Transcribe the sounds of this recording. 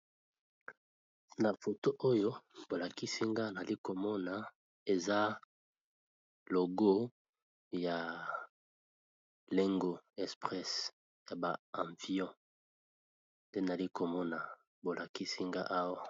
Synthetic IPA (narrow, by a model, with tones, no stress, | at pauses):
na˨fo˨to˦ʔo˦jo˦bo˨la˨ki˦si˦ŋɡa˦na˨li˦ko˨mɔ˦na˨ | e˨za˦ | lo˨ɡo˦ | ja˨ | le˦ŋɡo˦ɛ˨spʁɛ˦s | ja˨ba˨ã˨ɱvjɔ̃˦ | nde˦na˨li˦ko˨mɔ˦na˨ | bo˨lʔa˨ki˦si˦ŋɡa̰˦ʔa˦wa˦